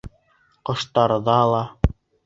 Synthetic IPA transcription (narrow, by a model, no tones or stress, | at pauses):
qŏʃt̪ɑɾɤ̆ðɑːlˠɑ